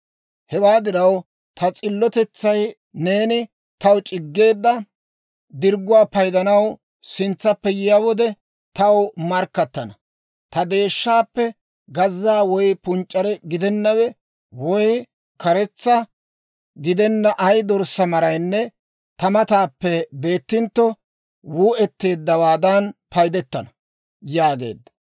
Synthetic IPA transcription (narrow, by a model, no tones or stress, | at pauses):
hɛwaːd̪ɪɾɐw | t̪ʰɐt͡sʼɪlːɔt̪ɛt͡sːɐj | ne̞ːnɪ | t̪ɐwt͡ʃʼɪɡːe̞ːd̪ːɐ | d̪ɪɾɡʊwaːpɐjd̪ɐnɐw | sɪnt͡sːɐpːɛjɪjɐwɔd̪ɛ | t̪ɐwmɐɾkːɐt̪ːɐnɐ | t̪ɐd̪e̞ːʃːaːpːɛ | ɡɐzːaːwɔjpʊnt͡ʃʼːɐɾɛɡɪd̪ɛnːɐwɛ | wɔj | kɐɾɛt͡sːɐ | ɡɪd̪ɛnːɐʔɐjd̪ɔɾsɐmɐɾɐjnːɛ | t̪ɐmɐt̪aːpːɛbe̞ːt̪ːɪnt̪ːɔ | wuːʔɛt̪ːe̞ːd̪ːɐwaːd̪ɐnpɐjd̪ɛt̪ːɐnɐ | jaːɡe̞̰ːd̪ːɐ